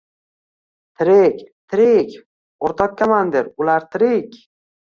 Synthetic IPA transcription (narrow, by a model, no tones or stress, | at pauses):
t̪ʰɪɾekʲt̪ʰɪɾekʲ | oɾt̪ʰɒk̚ʲkʰʲːamand̪eɾʊlaɾt̪ʰɪɾɪkʲ